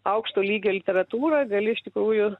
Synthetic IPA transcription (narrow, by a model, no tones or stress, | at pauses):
ɐʊkʃt̪oːlʲiːɡʲoːlʲɪtʲɛɾɐt̪uːɾɐɡɐlʲɪɪʃt̪ʲɪkɾuːjʊ